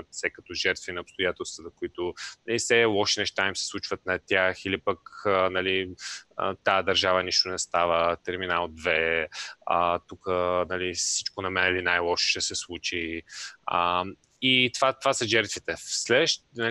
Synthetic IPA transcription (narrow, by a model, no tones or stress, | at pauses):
sɛkɐt̪ɔʒɛɾt̪vinɐopst̪ojat̪ɛlˠst̪vət̪əkoit̪ʊnɐlifsɛlˠɔʃinɛʃt̪aimsɛ̥slˠut͡ʃvət̪nɐt̪ʲaxilipəkənɐliə̰t̪ad̪ɐɾʒavəniʃt̪onɛst̪avət̪ɛɾminalˠd̪vɛ | ət̪ukənɐlisit͡ʃkonɐmɛnɛlinajlˠɔʃʃɛsɛslˠut͡ʃi | ə | it̪vat̪vasəʒɛɾt̪vit̪ɛslɛʃnɐ